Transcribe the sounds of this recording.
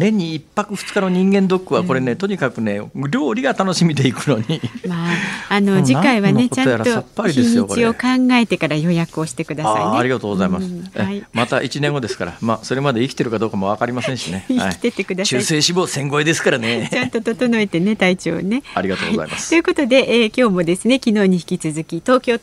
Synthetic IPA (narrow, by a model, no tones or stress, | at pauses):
nẽɲ̟ːiːpːakɯ̟ɸɯ̥t͡sɨ̥kano̞ɲ̟ĩŋɡẽ̞nd̪o̞kːɯ̟βako̞ɾe̞ne̞t̪o̞ɲ̟ikakɯ̟ne̞ɾʲo̞ːɾʲiɡat̪ano̞ɕimʲid̪e̞ikɯ̟no̞ɲ̟imaːno̞d͡ʑikaiβane̞ot͡ɕãnojaɾat̪oapːaɾid̪esɲijokt͡ɕieo̞kãŋɡae̞t̪e̞kaɾajo̞jakɯ̟o̞ɕi̥t̪e̞kɯ̟d̪aasa̰ineːɾʲiɡat̪oːɡozaimaseimat̪aʔit͡ɕinẽ̞ŋɡo̞d̪e̞sɨ̥kaɾa̰maso̞ɾe̞mad̪e̞ikʲi̥e̞ɾɯ̟kad̪o̞ːkamo̞βakaɾʲimasẽ̞ɰ̃ɕineha̰ii̥t̪et̪e̞kɯ̟d̪asɕɨːsẽːɕibo̞ːsẽ̞ŋɡo̞ed̪e̞sɨ̥kaɾanet͡ɕãnt̪o̞t̪o̞t̪o̞no̞et̪e̞ne̞t̪ait͡ɕo̞̰ːne̞aɾiɡat̪o̰ːɡiza̰imast̪ojɯ̟ko̞t̪o̞d̪e̞ʔkʲo̞ːmo̞d̪e̞sɨne̞kʲino̞ːɲ̟içi̥kʲit͡sɨzɨkʲit̪o̞ːkʲoː